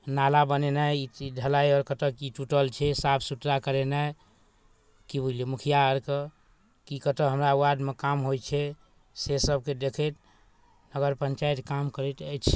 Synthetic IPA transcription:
nalabənenaiɖʱəlaiɔɾkət̪əkiʈuʈəlt͡ʃʰɛsapʰsuʈ̪ɾakəɾena | kibʱulemukʰijaəɾkə | kikət̪əɦəmɾauwad̪mekamɦojt͡ʃʰɛ | sesəb̚ked̪ekʰet̪ | nəɡəɾpəɲt͡ʃajt̪kamkəɾɛt̪ət͡ʃʰ

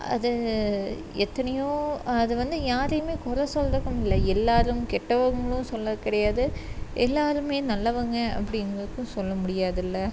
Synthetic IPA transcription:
ʔɐ̰ðɯ | ɛt̪ːɐnɐjõːɐðɯʋɐnd̪ɯjaːɾɐjɯmeːkʊɾɐsɔld̪ɐkːɐmɪlːɐɛlːaːɾɯmkɛʈːɐʋɐŋɡɐɭʊ̃sɔlːɐkɪɽɐjaːðɯʔɛlːaːɾɯmeːnɐlːɐʋɐŋɡɐɐ̰pːɐɽɪnɡɾɐðɯkːɯ̃sɔlːɐmʊɽɪjaːðɪlːɐ

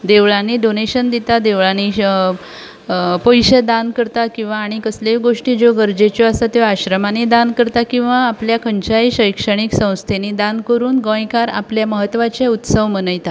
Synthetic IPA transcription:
d̪eʋɭanidoneɕənd̪it̪ad̪eʋɭani | pəjɕəd̪ankəɾt̪akĩw̃ʋaːɽ̃ikəsleɡoʂʈiːd͡zoɡəɾd͡ʑet͡ɕjɔasat̪jaɕɾəmaned̪ankəɾt̪akĩw̃ʋaːpljakʰəɲt͡ɕajɕəjkʂəɽ̃iksə̃w̃st̪ʰened̪ankəɾuːnɡə̃jkaɾa̰pljaməɦət̪ːʋat͡ɕeut̪səʋmənəjt̪a

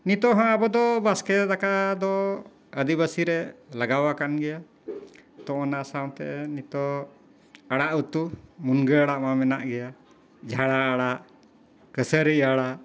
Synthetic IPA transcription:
nit̪ɔɦãabɔd̪ɔbaskɛd̪akad̪ɔ | əd̪ibasiɾɛlaɡawakanɡɛja | t̪ɔ̃ʔɔnasawt̪ɛ̰ʔɛnit̪ɔ | aɽaʔut̪umunɡəaɽaʔmamɛnaʔɡɛja | d͡ʒʱaɽaːɽaʔ | kəsəɾiaɽaʔ

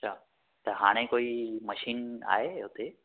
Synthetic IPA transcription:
ɐt͡ʃʰaː | t̪ɐɦaːɽ̃ẽkoːimɐʃiːna̰ːɦeɦʊt̪e

